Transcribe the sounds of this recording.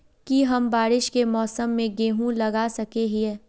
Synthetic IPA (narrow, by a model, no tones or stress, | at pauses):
kiɦɐmbaːɾɪʃkemɔːsəmːẽɡeːɦũlɐɡasɐkeɦiɛː